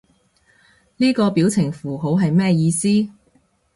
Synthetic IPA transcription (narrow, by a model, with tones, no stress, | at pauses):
niː˥kɔː˧piː˨˥wt͡sʰɪ˨˩ŋfuː˨˩ɦo˨˥wɦɐ˨jmɛː˥jiː˧siː˥